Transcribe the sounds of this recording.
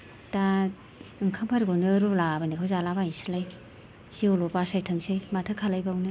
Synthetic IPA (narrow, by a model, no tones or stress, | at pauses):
da | ɯŋkʰampʰaɾɡonɯɾulabanikʰawzalabaisilaj | siolopasajtʰɯŋsejmatʰɯkʰalajbawnɯ